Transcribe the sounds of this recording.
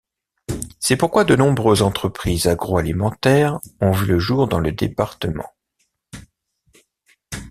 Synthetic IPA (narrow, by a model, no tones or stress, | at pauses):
sɛpuʁkwad̪ənɔ̃bʁøzɑ̃t̪χəpχizaɡʁoalimɑ̃t̪ɛːʁɔ̃vyləʒuʁd̪ɑ̃ləd̪epaʁt̪əmɑ̃